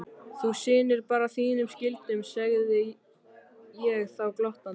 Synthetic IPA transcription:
θusɪːnɪɾpaːɾaθiːnʏmscɪlt̪ʏmsɛɣðɪ | jɛɣθawklɔht̪a

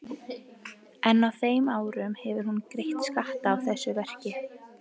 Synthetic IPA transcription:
ɛnːawθeːjmaːwɾʏmhɛvɪɾhunkɾejht̪skaht̪aːwθɛsːʏvɛr̥cɪ

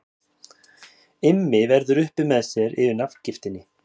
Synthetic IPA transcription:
ɪmːɪvɛɾðʏɾʏhpɪmɛðsjɛɾɪ̰ðɪnafcɪft̪ɪnːɪ

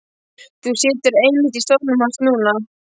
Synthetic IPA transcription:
θusɪːt̪ʏɾejmɪt̪ist̪ɔpnʏmhanst̪nuːna

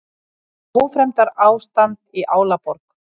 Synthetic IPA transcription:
mufɾɛmt̪aɾaːwst̪ant̪iʔaːwlapɔɾk

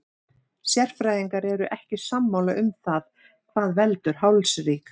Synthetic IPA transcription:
sjɛr̥fɾajðiŋkaɾɛɾʏʔɛhcɪsamːawlaʔʏmθað | kʰv̥aðvɛlt̪ʏɾ̥ɦawlsriːk

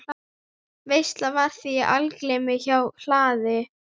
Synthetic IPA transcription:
vejst̪lavaɾ̥θiʔalklemɪçawl̥aːðɪ

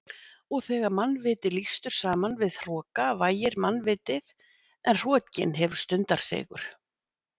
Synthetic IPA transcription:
ɔɣθɛːɣaɾmanːvɪːt̪ɪlist̪ʏɾ̥saːmanvɪðr̥ɔːkavaːjɪɾmanːvɪːt̪ɪð | ʔɛnr̥ɔːcɪ̰nɦɛvʏɾ̥st̪ʏnt̪aɾ̥sɛ̰ːɣʏ̰ɾ̥

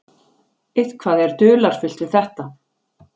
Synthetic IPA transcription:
ɪðkʰvaːðɛɾ̥t̪ʏːlaɾ̥fʏl̥t̪vɪðθɛht̪a

